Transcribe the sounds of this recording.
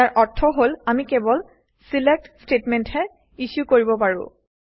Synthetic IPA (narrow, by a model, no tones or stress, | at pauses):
aɹʔɔɹtʰːɔɦolamikɛbɔl | silɛk̚tstetmɛnthɛ | iʃjukoɹibɔpaɹʊ̰̃